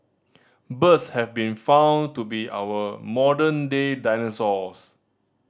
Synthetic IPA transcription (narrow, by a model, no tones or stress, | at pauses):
bətshɛvbĩnfãw̃ntubiʔa̰wəmɔdə̃ndedajnɛsɔs